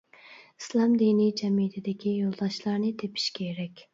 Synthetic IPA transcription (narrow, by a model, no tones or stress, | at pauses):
islˠɑmd̪inid͡ʒɛmijt̪ʰɪd̪ɪkʲʰijolˠd̪ɑʃlˠɑɾnɨt̪ʰepʰi̥ʃkʲʰeɾɛkʲ